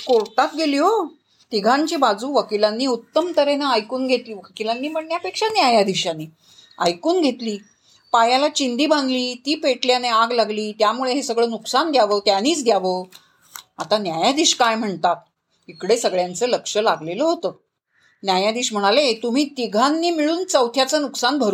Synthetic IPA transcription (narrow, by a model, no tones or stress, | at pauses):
koɾt̪at̪ɡeliːɦo | t̪iɡʱaɲt͡ɕiːbad͡zuːʋəkilanːiːut̪ːəmt̪əɾenaajkuːnɡʱet̪liːʋəkilanːiːməɽːjapekʂanjajad̪iɕaniː | a̰jkuːnɡʱet̪liː | pajalat͡ɕind̪iːbãŋɡliːt̪iːpeʈljaneaɡlaɡliːt̪jamuɭeɦesəɡɭəːnuksand̪jaʋət̪janiːt͡sd̪jaʋə | at̪anjajad̪iɕkajm̤əɳt̪at̪̚ | ikɽesəɡɭjãnt͡səːləkʂəlaɡleləːɦot̪əː | njajad̪iːɕm̤əɽ̃aleet̪um̤iːt̪iɡʱanːiːmiɭuːnt͡səwt̪ʰjat͡sənuksanbʱəɾuː